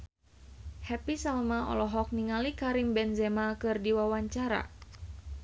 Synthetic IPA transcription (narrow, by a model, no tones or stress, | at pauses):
hɛpisalmaɔ̰lɔɦɔk̚niŋalikaɾimbɛnzɛmakɨrdiwawaɲt͡ʃaɾa̰